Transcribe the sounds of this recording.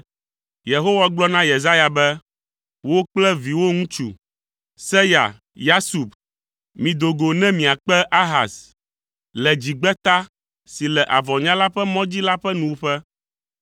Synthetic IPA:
je˨ɦo˦wa˦ɡ͡blɔ˦nã˦je˨za˦ja˨bɛ˦ | wo˦k͡plɛ˦vi˨wo˦ŋũ˦t͡ʃṵ˨ | sɛ˦ja̰˨ | ja˦su˨p | mĩ˨d̪o˨ɡo˨nɛ̃˦mĩ˨a˨k͡pɛ˦ʔa˦ɦa̰˨s | lɛ˨d͡ʑi˨ɡ͡bɛ˦t̪a˦ | si˨lɛ˨ʔa˨vɔ˨ɲã˦la˦ɸɛ˦mɔ̃˦d͡ʑi˦la˦ɸɛ˦nũ˨wo˦ɸɛ˦

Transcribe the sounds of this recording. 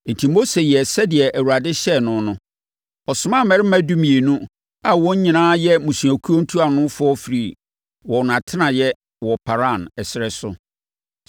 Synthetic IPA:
n̩˨tʰi˨mo˦se˨jɛ˨sɛ˦dɪ˨ɛ˨ʔæ˨wa˨dɪ˦ɕɛ˦˨nʊ̃˦nʊ̃˦ | ɔ˨sʊ̃˨˦mã˦˨mɛ˨ɾɪ˦mæ̃˦du˦mĩ˨e˨nũ˦ | a˨wɔ̃˦ɲ˦ɲĩ˨nãː˦jɛ˦mũ˨sũ˨æ˨kʰu˦o˦n̩˦tʰu˦a˨nʊ̃˦fʊ˦ɔ˦fi˨ɾi˨ | wɔ̃˨n˨ã˨tʰɪ˦nã˨jɛ˦ | wɔ˨pʰa˨ɾã˦˨nɛ˨sɪ˨ɾɛ˦sʊ̰˨

